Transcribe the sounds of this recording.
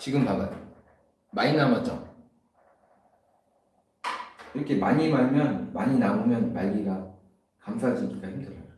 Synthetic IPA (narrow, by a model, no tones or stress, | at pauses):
t͡ɕiɡɯmːaa | mainamʌt͡ɕ͈ʌ̰ | iɾʌkʰe̞maɲimaɭmjʌnmaɲinaomjʌnmaɭɡiɡa | kamsʰaɦad͡ʑikik͈aimːʌa